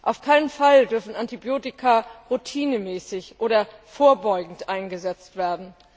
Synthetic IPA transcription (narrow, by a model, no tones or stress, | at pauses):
ʔaʊfkʰaɪnənfaldʏɐfn̩antibjoːtɪkʰaʁutʰiːnəmɛːsɪçʔoːɾɐfoːɐbɔʏɡŋ̩tʔaɪnɡəzɛt͡stv̥eːɐdn̩